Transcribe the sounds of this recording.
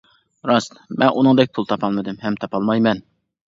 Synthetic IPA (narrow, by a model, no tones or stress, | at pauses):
ɾɑst̪mʔɛnʔunɨŋd̪ɛk̚ʲpʰulˠt̪ʰɑpʰɑlˠmɨd̪ɪmɦɛmt̪ʰɑpʰɑlˠmɑjmɛn